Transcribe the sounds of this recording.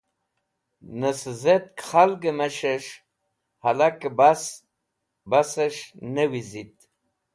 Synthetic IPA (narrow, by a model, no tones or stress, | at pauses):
nəszet̪̚kχalɡəmaʃeʃ | halakbas | basəʃnəwizit̪